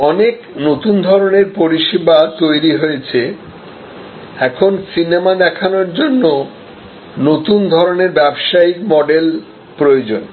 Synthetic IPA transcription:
ɔnek | not̪und̪ʱɔɾoneɾpoɾiʃibat̪ojɾiɦoet͡ɕʰe | ɛkʰonsinemad̪ɛkʰanoɾd͡ʑonːo | not̪und̪ʱɔɾoneɾbɛbʃaikmɔɖel | pɾojod͡ʑon

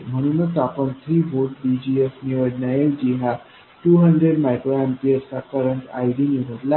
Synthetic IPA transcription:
m̤əɽ̃unət͡sapəɳt̪ʰɾiːbʱoʈɖid͡ʑiesniʋəɽnajeʋd͡ʑiɦa | ʈuɦəɳɖɾeɖmajkɾoãmpiəɾsakəɾəɳʈa̰jɖiniʋəɽla

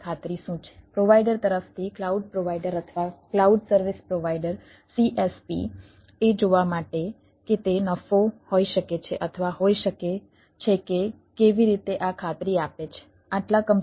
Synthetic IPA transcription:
kʰat̪ɾiʃũt͡ʃʰe̥pɾoʋaiɖəɾt̪əɾəft̪ʰiklauɖ̚pɾoʋaiɖəɾət̪ʰəʋaklauɖsəɾʋispɾoʋaiɖəɾ | siʔespḭ | ed͡ʒoʋamaʈe | ket̪enəfohoiʃəket͡ʃʰeʔət̪ʰəʋaɦoiʃəke | t͡ʃʰeke | keʋiɾit̪eʔakʰat̪ɾiapet͡ʃʰe̥ | aʈlakəm

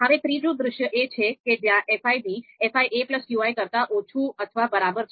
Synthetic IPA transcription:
ɦəʋet̪ɾid͡ʒũd̪ɾʊʃjəʔet͡ʃʰeked͡ʒjãʔefaibiefaiʔepləskjuajkəɾt̪aʔot͡ʃʰuət̪ʰəʋabəɾabəɾt͡ʃʰ

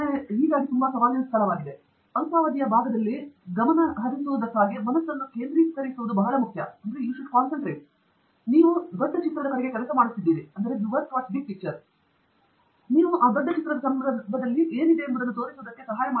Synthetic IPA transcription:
neɦiːɡaːɡit̪umbɐsɐʋaːliɐnɐsk̪ʰɐlɐʋaːɡid̪e | ɐnsaːʋɐd̪ijɐbʱaːɡɐd̪ɐlːiɡɐmɐnɐɦɐd̪isuʋud̪ɐkːaːɡimɐnɐsːɐnːuke̞ːnd̪ɾiːskɐɾisuʋud̪ubɐɦɐlɐmukʰjɐɐnd̪ɐɾejuːʃuɖkaːnsɐɳʈɾeːʈ | niːʋud̪ɔɖːɐt͡ʃit̪ɾɐd̪ɐkɐɾɛɡe̞kɛlɐsɐmaːɽut̪ːid̪ːiːɾiɐnd̪ɐɾe̞juʋɐɾsʋaːt͡ʃɖik̚ʈik̚t͡ʃɐɾ | niːʋuʔaːd̪ɔɖːɐt͡ʃit̪ɾɐd̪ɐsɐmɐbɐd̪ɐlːiʔe̞ːnid̪eɐnd̪ɐd̪ɐnːut̪oːɾisuʋd̪ɐkːe̞sɐɦaːjɐmaː

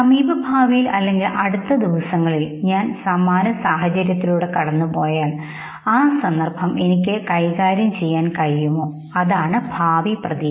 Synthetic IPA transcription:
sɐmiːbɐbʱaːʋijilɐlːe̞ŋɡilʔɐɽut̪ːɐd̪iʋɐsɐŋːɐɭilɲaːnsaːmaːnɐsaːɦɐt͡ɕɐɾjɐt̪ːiluːɽe̞kɐɽɐnːupo̞ːjaːɳ | aːsɐnd̪ɐrbʰʱɐme̞nik̬ʲːɨkɐjkaːɾjɐmt͡ɕe̞jːaːnkɐɻijumoː | ɐðaːɳɨbʱaːʋiprɐði

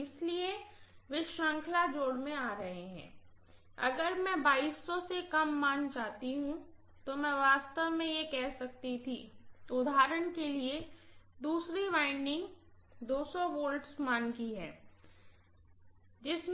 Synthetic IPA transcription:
ɪslieʋɪʃãːŋkʰlad͡ʒoːɽmẽaːɾɐɦeɦɛ̰̃ː | ɐ̰ɡəɾmɛ̃baːiːsːɔsekɐmːaːnt͡ʃaːt̪iɦũ | t̪omɛ̃ʋaːst̪əʋmẽjekɛɦsɐk̚t̪it̪ʰiʊd̪ʱaːɾəɽ̃kelied̪uːsɾiʋaːɪnɪ̃ŋɡ | d̪oːsɔʋoːlʈsmaːnkiɦɛː | d͡ʒɪsm

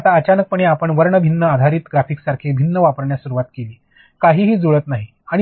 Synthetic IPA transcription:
at̪aət͡ɕanək̚pəɽeapəɳʋəɾɳəbʱinːəad̪ʱaɾiːt̪ɡɾafiːksaɾkʰebʱinːəʋapəɾɳjasuɾuʋat̪keliː | kaɦiːɦiːd͡zoɭət̪naɦi | aɽ̃

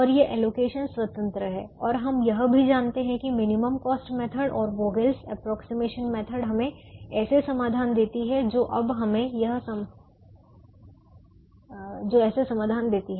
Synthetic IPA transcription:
ɔːɾjeʔɛːloːkeːʃənsʋɐt̪ə̃nt̪ɾəɦɛːɔːɾɦɐmjɐɦbʱid͡ʒaːnt̪eɦɛ̃kimɪnɪməmkɔːsʈmɛːt̪ʰəɖɔːɾboːɡelsɛpɾɔːksimeːʃənmɛːt̪ʰəɖɦɐmẽɛːsesɐmaːd̪ʱaːnd̪eːt̪iɦɛd͡ʒoːʔɐbɦɐmẽjɐɦsɐ | d͡ʒoːɛːsesɐmaːd̪ʱaːnd̪eːt̪iɦɛː

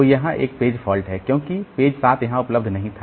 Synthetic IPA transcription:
ojɐɦãʔḛːk̚peːd͡ʒfʰɔːlʈɦɛkjõːkipeːd͡ʒsaːt̪ʰjɐɦãʊpləbd̪ʱnɐɦĩt̪ʰa

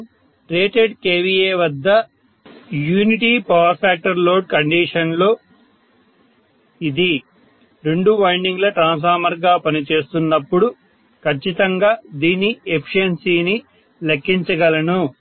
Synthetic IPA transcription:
ʈɾeːʈeɖkeːʋieːʋɐd̪ːɐ | juːniʈiːpɐʋɐɾpʰaːk̚ʈɐɾlo̞ːɖkɐɳɖiːʂɐnlo̞ː | id̪i | ɾe̞ɳɖuʋɐjɳɖiŋɡlɐʈɾaːns̬aːmɐɾɡaːpɐnit͡ʃe̞ːst̪unːɐpːuɽu | kʰɐt͡ʃːit̪ɐŋɡaːd̪iːnːiepʰi̥ʂɐnsiːni | lɐkːiɲt͡ʃɐɡɐlɐnu

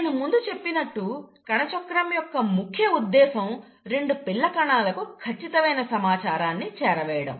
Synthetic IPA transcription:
ɐnɐmund̪ut͡ʃe̞pːinɐʈːukɐɳɐt͡ʃɔkːɾɐmjɔkːɐmukʰjɐud̪ːɛːsɐm | ɾe̞ɳɖupiɭːɐkɐɳaːlɐkukʰɐt͡ʃːit̪ɐmɐjnɐsɐmaːt͡ʃaːɾaːnːit͡ʃɛːɾɐʋɛːjɐɽɐ̰m

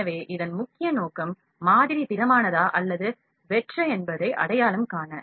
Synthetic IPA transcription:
ɐʋeːʔɪðɐnmʊkːɪjɐnoːkɐmː | aːðɪɾipɪɾɐmaːnɐðaːʔɐlːɐðɯ | ʋɛʈrɐɛnbɐðɐɪʔɐ̰ɽɐjaːlɯmkaːɳɐ

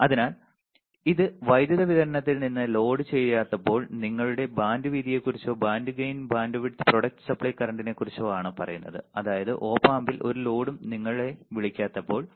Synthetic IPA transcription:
ɐðinaːl | iðɨʋɐjd̪jɐðɐʋiðɐɾɐnɐt̪ːilninːɨlo̞ːɖɨt͡ɕe̞jaːt̪ːɐpːo̞ːɭniŋːɐɭuɽe̞baːnɖɨʋiːd̪ije̞kurit͡ɕːoːbaːnɖɨɡejnbaːndoʋiʈːɨ̥pro̞ɽɐk̚ʈɨ̥sɐpɭɐjkɐrɐɳɖine̞kːurit͡ɕːoːaːɳɨpɐrɐ̰junːɐ̰ðɨ̰ɐðaːjɐðɨ̰ʔo̞ːpːaːmbilʔo̞̰ɾulo̞ːɽumniŋːɐɭɭe̞ʋiɭikʲːaːt̪ːɐpːo̞ːɭ

